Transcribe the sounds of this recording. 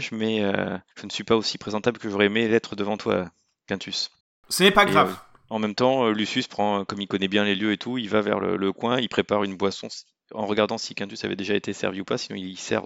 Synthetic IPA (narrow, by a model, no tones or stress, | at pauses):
ʒmɛø̰ʒ̥ənsɥipaosipχezɑ̃t̪abləkəʒoʁɛemelɛt̪χəd̪əvɑ̃t̪wa̰ | kɛ̃t̪ʰys | sənɛpaɡʁav | ɑ̃mɛmt̪ɑ̃ølysyspχɑ̃kɔmilkɔnɛbjɛ̃leljøet̪ʰuilvavɛ̰ʁlə̰ləkwɛ̃ilpχepaʁynbwasɔ̃s | ɑ̰̃ʁəɡaʁd̪ɑ̃sikɛ̃t̪ysavɛ̰d̪eʒaet̪esɛ̰ʁviupasinɔ̃ilisɛ̰ʁ